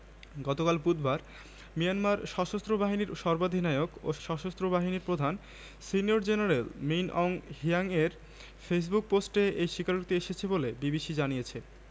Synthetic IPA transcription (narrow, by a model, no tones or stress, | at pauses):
ɡɔt̪okalpud̪baɾ | mijanmaɾʃɔʃost̪ɾobaɦiniɾʃɔɾbad̪ʱinaeoko̰ʃɔʃost̪ɾobaɦiniɾpɾod̪ʱan | sinijoɾd͡ʑenaɾelminɔŋɦiaŋeɾ | fes̬buk̚posʈeejʃikaɾut̪ieʃet͡ɕʰebolebibiʃid͡ʑanijet͡ɕʰe